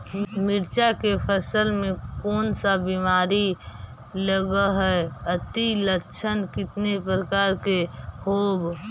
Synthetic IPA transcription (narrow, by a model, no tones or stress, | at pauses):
mɪɾt͡ʃakepʰəsəlmẽkɔːnsabimaːɾi | ləɡəɦɛət̪ilətːt͡ʃʰənkɪt̪nepɾəkaːɾkehoːb